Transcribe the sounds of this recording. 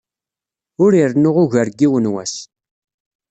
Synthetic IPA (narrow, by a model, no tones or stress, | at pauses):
ʊɾiɾnʊʁʊʝəɾɡiwənwæ̰s